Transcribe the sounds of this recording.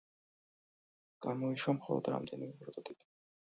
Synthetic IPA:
ɡ̥amɔiʃwamχɔ̰lˠɔ̰d̪ɾa̰md̪ɛnimɛbɾɔt̪ʰʼɔt̪it̪ʰ

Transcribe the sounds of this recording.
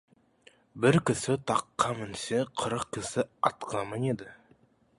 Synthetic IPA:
bɪɾkʲɪsɪt̪ʰɑqːɑmɪnseqʰəɾəq̚kʲʰːɪsɪɑt̪q̪ʰɑmɑned̪ɪ

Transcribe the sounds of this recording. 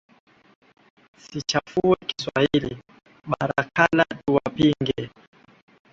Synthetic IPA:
sit͡ʃafuɛki̥swahili | ɓaɾakalatuwapiŋɡɛ

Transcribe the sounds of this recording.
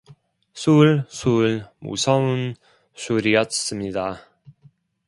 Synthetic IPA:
sʰuɭsʰuɭmṵsʰʌun | sʰuɾijʌts͈ɯmɲida

